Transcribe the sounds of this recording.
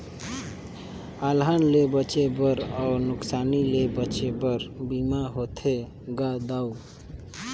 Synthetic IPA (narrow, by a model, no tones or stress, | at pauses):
alɦanlebət͡ʃebəɾɔːɾnʊksaːnilebət͡ʃebəɾbimaɦot̪ʰe | ɡad̪au